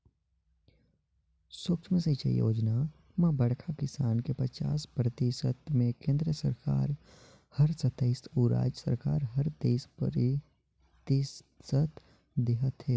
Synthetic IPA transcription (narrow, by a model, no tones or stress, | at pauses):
swʊkt͡ʃʰmẽset͡ʃʰḛjo̰ːd͡ʒna | mɐ̃bɐɽkʰakɪsaːnkepɐt͡ʃa̰ːspɾɐt̪eːʃət̪mẽkẽːnd̪ɾəsɐɾka̰ːɾ | hɐɾsɐt̪əɪsuːɾa̰ːd͡ʒsɐ̰ɾkaːɾɦɐɾd̪eːspəɾ | t̪is | ət̪ | d̪eɦət̪heː